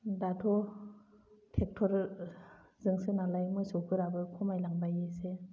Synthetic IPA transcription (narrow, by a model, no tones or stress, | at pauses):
datʰɔ | tʰek̚tʰɔɾ | zɯŋsɯnalajmɯjsɔkʰɯɾabɯkʰɔmajlaŋbajɯse